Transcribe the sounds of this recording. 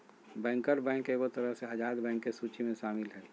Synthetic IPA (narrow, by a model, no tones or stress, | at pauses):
bɛ̃ːŋkəɾbɛ̃ːŋkeːɡot̪əɾəɦseaːd͡ʒaːd̪bɛ̃ːŋkːesuːt͡ʃimẽʃaːmɪlɦɛː